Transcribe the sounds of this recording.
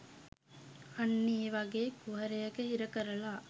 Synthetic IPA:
ɐnːiːʋaɡeːkuɦɐɾejɐkəhiɾɐkɐɾɐlaː

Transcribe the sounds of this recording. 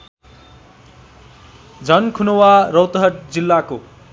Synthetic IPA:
d͡zʱʌnkʰunowarʌwt̪ʌɦʌʈ̚d͡zilːako

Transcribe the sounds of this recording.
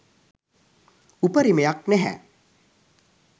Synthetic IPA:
upəɾimejak̚næɦɛ̰

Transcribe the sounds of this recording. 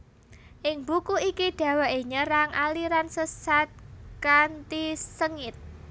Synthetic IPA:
ʔɪŋbukuikiɖ̥ä̤waʔeɲəɾaŋʔa̰liɾansəsat̪̚kant̪isəŋɪt̪̚

